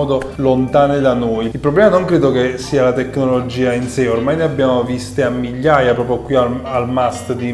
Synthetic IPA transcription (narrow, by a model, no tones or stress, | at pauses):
ɔːd̪olont̪aːned̪anoːjilpɾoblɛːmanoŋkɾeːd̪okesːiːalat̪ekːnolod͡ʒiːainseormajneabːjaːmovist̪eamːiʎːaːjapɾɔːpɾjokwiaalmast̪d̪i